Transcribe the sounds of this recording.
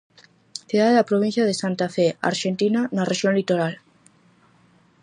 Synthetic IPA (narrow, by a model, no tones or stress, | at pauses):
θjuðaðelapɾoβ̞inθjaðesant̪afea̰ɾʃent̪inanareʒjonlit̪oɾal